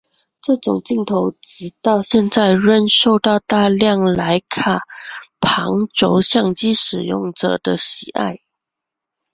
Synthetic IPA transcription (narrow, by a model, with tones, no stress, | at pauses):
ʈ͡ʂɤ˥˩ʈ͡ʂʊ˨˩ŋt͡ɕi˥˩ŋt̪ʰo˧˥ʊt͡ɕi˧˥t̪ɑ˥˧ʊɕjɛ˥˧nt͡sa˥˧ɪɻə˥˧nʂo˥˧ʊt̪ɑ˥˧ʊt̪a˥˧ljɑ˥˩ŋla˧˥ɪkʰa˨˩pʰɑ˧˥ŋʈ͡ʂo˧˥ʊɕjɑ˥˩ŋt͡ɕi˥ʂɻ̩˨˩jʊ̰˥˩ŋʈ͡ʂɤ̰˨˩d̪ə˦ɕi˨˩ʔa̰˥˩ɪ